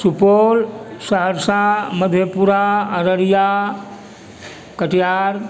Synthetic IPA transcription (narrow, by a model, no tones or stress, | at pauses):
supolsəɦəɾsaməd̪ʱjəpuɾaəɾəɾja | kəʈjaɾ